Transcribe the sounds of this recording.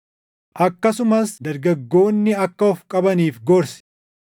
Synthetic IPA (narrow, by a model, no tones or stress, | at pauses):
ʔɐkːɐsʊmɐsd̪ɐɾɡɐɡːo̞ːnːɪɐkːɐɔfkʼɐbɐniːfɡɔɾsɪ̥